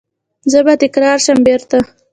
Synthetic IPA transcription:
zəbat̪ɪkɾɑɾʃəmbeɾt̪a

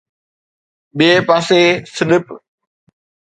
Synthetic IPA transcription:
ɓiepaːsesɪlɪp

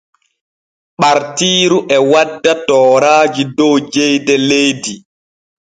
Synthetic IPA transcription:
ɓaɾtiːɾuʔɛwadːatɔːɾaːd͡ʒidɔwd͡ʒejdɛlejdi

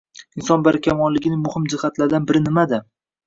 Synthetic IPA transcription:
ɪnsɒnbaɾɪkʲʰamɒnlɪɡʲɪnɪmʊhɪmd͡ʒɪhat̪laɾd̪anbɪɾɪnɪmad̪a

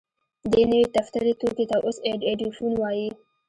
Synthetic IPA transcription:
d̪ənəwet̪aft̪aɾet̪oket̪awʔoseɖeɖifunwɑji

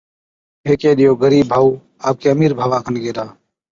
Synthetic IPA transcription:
ɦeːkeːɗɪjoːɡəɾiːbbʱaːuː | aːp̚keːəmiːɾbʱaːʋãːkʰənɡeːɾaː

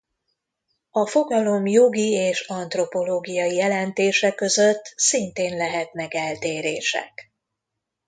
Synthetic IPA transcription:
ɒfo̞ɡɒlo̞mjo̞ɡieːʃɒnt̪ro̞po̞loːɡijɒjijɛlɛnt̪eːʃɛkːø̞zøt̪ːsint̪eːnlɛɦɛt̪mɛɡɛlt̪eːɾeːʃɛ̰k

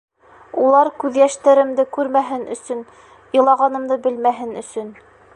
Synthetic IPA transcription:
ulˠɑɾkʉðjæʃt̪æɾɘ̆md̪ɘkʉɾmæɦɘnɵ̆sɵn | jɤ̆lˠɑʁɑnɤ̆md̪ɤbɘlmæɦɘnɵ̆sɵn

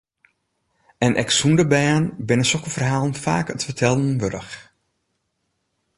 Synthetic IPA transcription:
ɛnʔɛ̰ksundəbɛːnbɪnəsɔkəfərɦaːlˠənfa̰ːkətfərtʰɛlˠn̩ʋødə̰x

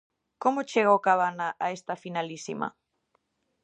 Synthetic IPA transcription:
komot͡ʃeɣowkaβanaʔaest̪ɐfinalisḭmɐ̰

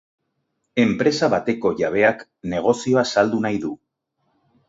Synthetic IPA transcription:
e̞mpɾe̞saβat̪e̞ko̞ʝaβ̞e̞ak | ne̞ɣ̞o̞sio̞asald̪unajðu

